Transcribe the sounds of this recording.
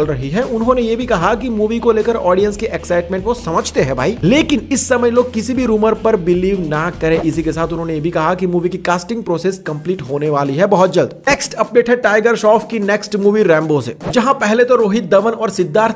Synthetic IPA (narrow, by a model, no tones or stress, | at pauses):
lɾɐɦiɦɛʔʊnɦõnejebʱikɐɦakimuːʋikoleːkəɾɔːɖijə̃nskiʔɛksaːɪʈmẽːɳʈʋosɐməd͡ʒʱt̪eɦɛbʱaːileːkɪnɪsːɐməjloːɡ̚kɪsibʱiɾuːməɾpɐɾbɪliːʋnɐkɐɾẽʔɪsikesaːt̪ʰʊnɦõːnejebʱikɐɦakimuːʋikikaːsʈɪ̃ŋɡ̚pɾoːseːskɐ̃mpliːʈɦoːneʋaːliɦɛbɐɦɔt̪̚d͡ʒɐld̪neksʈɐp̚ɖeːʈɦɛʈaːɪɡəɾʃɔːfkinɛksʈmuːʋiɾɛ̃ːmbosḛd͡ʒɐɦãpɛɦlet̪oɾoːɦɪt̪̚d̪ɐʋənɔːɾsɪd̪ːaːɾ